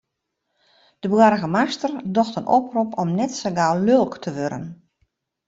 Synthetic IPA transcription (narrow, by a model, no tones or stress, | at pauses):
d̥əbwaɾəɣəmastərdɔxtənoprupʰɔmnɛtsəɡaːlølˠktʰəʋøɾə̰n